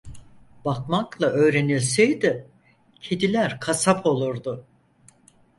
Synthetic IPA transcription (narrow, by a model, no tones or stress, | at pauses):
b̥akmaklˠaʔø̞ːɾe̞nilʲsɛjd̪ɪ | cʰed̪ilʲæɾkʰasapʰo̞lˠuɾd̪ʊ